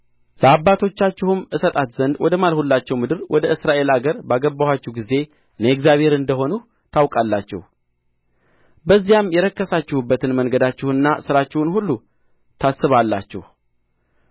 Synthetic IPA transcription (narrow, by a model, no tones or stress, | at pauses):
ləabːat̪ʰo̞t͡ʃːat͡ʃːɪhɨmɨsət̪ʼat̪zənd̪wʔɔd̪əmalhulːat͡ʃːɛwmɨd̪ɨɾwʔɔd̪əʔɨsɾaʔe̞laɡəɾbaɡəbːahat͡ʃːɛhɡize̞ | ɨnəɛkzjaβhe̞ɾɨnd̪əɦo̞nu | t̪ʰawkʼalːat͡ʃːɛ̰h | bəzːijamjɛɾəkːəsat͡ʃːɪhubːət̪ɨnməŋɡəd̪at͡ʃːɪhɨnːasɨɾat͡ʃːɪhunhulːu | t̪ʰasːɨβalːat͡ʃːɛ̰h